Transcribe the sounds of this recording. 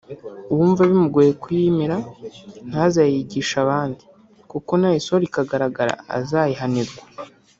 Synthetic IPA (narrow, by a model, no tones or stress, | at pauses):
uwuːɱvaβimuɡoːjekujimiɾan̥hazajiɟiːʃaβaːndi | kuko̞naisoɾikaɡaɾaɡaɾa̰a̰zajiɦaniɾɡwḁ